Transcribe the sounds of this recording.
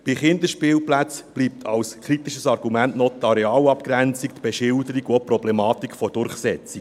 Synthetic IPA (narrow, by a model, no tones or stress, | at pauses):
b̥ɪχɪnd̪əʃpɪːlplæt͡sb̥liːp̚t̪ʰɑ̰wskʰɾit̪iʃəsɑrɡ̥umæntnɔt̪ʰɑɾɛɑːlɑpkɾænt͡sikt̪b̥eʃɪldəɾiɡopɾɔblɛmɑːt̪ikʰfɔd̥ʊɾχsɛt͡sik